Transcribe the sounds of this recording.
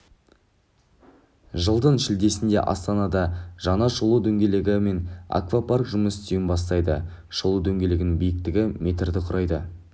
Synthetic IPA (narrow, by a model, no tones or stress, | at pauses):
ʒəlˠd̪ənʃɪld̪e̞sɪnd̪e̞̰ʔɑ̰st̪ɑnɑd̪ɑʒ̥ɑnɑʃolˠud̪ɵŋɡʲe̞leɡʲɪme̞na̰kvaparkʒʊməsɪst̪ɪjɪnbɑs̬t̪ɑjd̪ə̰ | ʃʊlˠud̪ɵŋɡʲe̞leɡʲɪnɪŋbijɪk̚t̪ɪɡʲɪme̞t̪̬ɾd̪ɪqʰʊɾʔɑjd̪ə